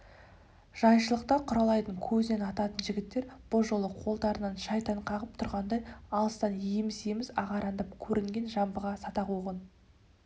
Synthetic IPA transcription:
ʒ̥ɑjʃəlˠəq̚t̪ɑqʰʊɾɑlˠɑjt̪əɴkʲʰɵzɪne̞nɑt̪ɑt̪ənʒɪɡʲɪt̪ːe̞ɾb̥ʊlˠʒo̞lˠəqʰo̞lˠd̪ɑɾənɑnʃɑjt̪ɑɴqʰɑʁəp̚t̪ʰʊɾʁɑnd̪ɑjɑlˠəst̪ɑniɪmɪsemɪzɑ̰ʁɑɾɑnd̪ɑpkʲʰɵɾʔɪŋɡʲe̞nʒɑmbəʁɑsɑt̪ɑqoʁən

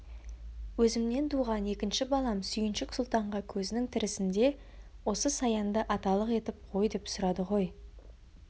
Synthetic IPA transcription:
wɵzɪmne̞nt̪ʰuʁɑne̞kʲɪnʃɪbɑlˠɑmsʏjɪnʃɪksʊlˠt̪ɑɴʁɑkʲʰɵzɪnɪŋt̪ʰɪɾɪsɪnd̪e̞ | wo̞səsɑjɑnd̪əʔɑt̪ɑlˠəqe̞t̪ɪp̚qʰo̞jd̪e̞psʊɾɑd̪əʁo̞j

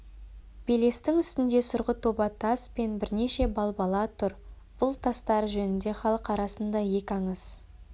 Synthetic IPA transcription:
b̥ele̞st̪ɪŋʏst̪ɪnd̪e̞sʊɾʁət̪ʰobɑt̪ʰːɑspe̞nbɪɾne̞ʃe̞bɑlˠbɑlˠɑt̪ʰʊɾ | b̥ʊlˠt̪ʰɑst̪ɑɾʒɵnɪnd̪e̞χɑlˠəqɑɾɑsənd̪ɑje̞kʲɑɴəz̥

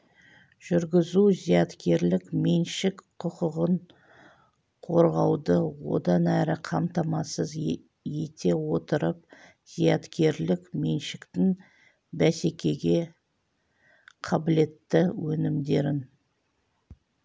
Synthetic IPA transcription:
ʒ̥ʏɾɡʲɪzuzijɑt̪kʲe̞ɾlɪkmenʃɪkqʰʊqʊʁəɴ | qʰo̞ɾʁɑwd̪əwo̞̰d̪ɑnæɾɪqʰɑmt̪ɑmɑsəz | je̞t̪ʰe̞wo̞t̪əɾəp̚ | z̥ijɑt̪kʲʰe̞ɾlɪkme̞nʃɪkt̪ɪŋ | bæse̞kʲe̞ɡʲe̞ | qʰɑbɪle̞t̪ːɪwɵnɪmd̪e̞ɾɪn

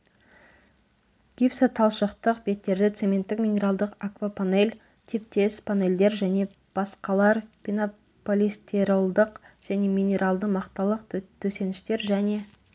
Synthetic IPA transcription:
ɡ̥ʲipsat̪ʰɑlˠʃəqt̪əqbe̞t̪ːe̞ɾd̪ɪt̪se̞me̞nt̪ːɪkmʲinʲe̞ɾalˠd̪əqakvapʰane̞lʲ | t̪ʰip̚t̪e̞spʰane̞lʲd̪e̞ɾʒæne̞ | b̥ɑsqɑlˠɑɾpʲino | polʲist̪eɾowlˠd̪əqʒ̥æne̞mʲinʲe̞ɾalˠd̪əmɑqt̪ɑlˠəqt̪ʰɵse̞nɪʃt̪e̞ɾʒæne̞

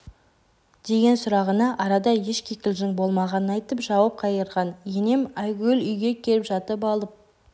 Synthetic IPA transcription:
d̪̥e̞ɡʲe̞nsʊɾɑʁənɑʔɑɾɑd̪ɑje̞ʃkʲʰekʲɪlʒɪŋbo̞lˠmɑʁɑnənɑjt̪əpʒɑwɑp̚qʰɑjəɾʁɑnjene̞mæjɡʲelʏjɡʲe̞kʲʰe̞ɾɪpʒɑt̪əpɑlˠəp̚

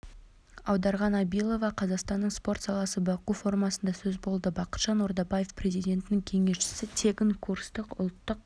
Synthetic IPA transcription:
ɑ̰wd̪ɑɾʁɑnɑbijlˠo̞vɑqʰɑzɑqst̪ɑnːəɴspo̞rt̪sɑlˠɑsəbɑqufo̞rmɑsənd̪ɑsɵzbo̞lˠd̪əbɑqə̥t̪ʃɑnoɾd̪ɑbajefprʲe̞zijd̪ʲe̞nt̪ɪnɪŋkʲʰe̞ŋe̞ʃʃɪ̥sɪt̪ʰe̞kʲɪŋkʰurst̪əqʊ̰lˠt̪ːəq̚

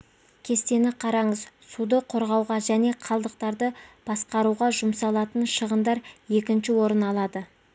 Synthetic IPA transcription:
kʲʰe̞st̪e̞nɪqʰɑɾɑɴəzsud̪əqʰoɾʁɑwʁɑʒæne̞qʰɑlˠd̪əq̚t̪ɑɾd̪əb̥ɑsqɑɾuʁɑʒʊmsɑlˠɑt̪ənʃəʁənd̪ɑɾje̞kʲɪnʃɪwo̞ɾənɑlˠɑd̪ə

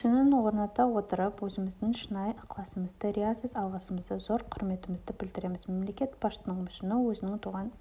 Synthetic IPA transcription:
sɪnɪnwo̞ɾnɑt̪ɑwo̞t̪əɾəpwɵzɪmɪzd̪ɪŋʃənɑjəqlˠɑsəməzd̪əɾeasesɑlˠʁɑsəməzd̪ɪzo̞ɾqʰʊɾme̞t̪ɪmɪzd̪ɪbɪld̪ɪɾe̞mɪzme̞mle̞kʲe̞t̪bɑʃt̪ənəɴmʏʃɪnɪwɵzɪnɪŋt̪ʰuʁɑn

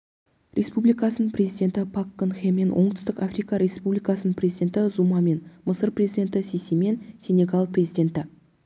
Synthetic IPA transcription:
rʲʔe̞spublijkɑsənəprʲezijd̪ʲe̞nt̪ɪpʰakːənxeme̞nwʔo̞ɴt̪ʏ̥st̪ɪkafrijkɑɾʲe̞spublijkɑsənəɴprʲezijd̪ʲe̞nt̪ɪzumɑme̞nməsəɾprʲe̞zʲid̪ʲe̞nt̪ɪseseme̞nsʲe̞ne̞ɡalˠprʲezijd̪ʲe̞nt̪ɪ

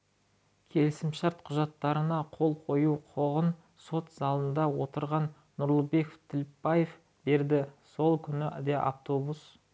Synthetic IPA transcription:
kʲʰe̞lɪsɪmʃɑɾt̪qʰʊʒɑt̪ːɑɾənɑqʰo̞lˠqʰo̞juqʰo̞ʁən | so̞t̪z̥ɑlˠənd̪ɑwo̞t̪əɾʁɑnːʊɾlˠəbe̞koft̪ʰɪlpːɑje̞f | be̞ɾd̪ɪso̞lˠkʲʰʏnɪæ̰d̪eʔa̰ft̪o̞bus

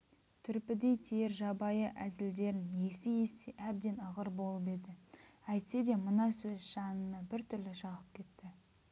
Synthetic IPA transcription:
t̪ʰʏɾpɪd̪e̞jt̪ʰejeɾʒɑbɑjəʔæzɪld̪e̞ɾɪnje̞sɪje̞st̪eʔæb̚d̪e̞nɑʁəɾbo̞lˠəpe̞d̪ɪæjt̪se̞d̪e̞mənɑsɵzʒɑnənɑbɪɾt̪ʰʏɾlɪʃɑʁəp̚kʲʰe̞t̪ːɪ

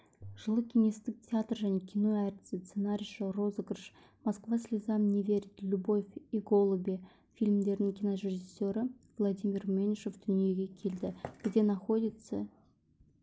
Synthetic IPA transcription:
ʒ̥əlˠəkʲʰinʲest̪ɪk̚tʲʰeat̪rʒænʲe̞kʲʰino̞æɾʲt̪ʲɪ̥sət̪senaɾʲɪʃəro̞zɡrʃ | maskvasʲlʲɪzamnʲevʲe̞ɾʲɪt̪lʲubo̞fʲiɡo̞lˠəbʲe | fʲilʲmd̪e̞ɾnɪŋkʲʰinoɾʲeʒɨsʲːo̞ɾə | vlˠad̪ʲimʲirmʲenʃofd̪̥ʏnije̞ɡʲe̞kʲʰe̞ld̪ɪɡ̥zd̪ʲe̞naχo̞d̪ʲɪt̪sə

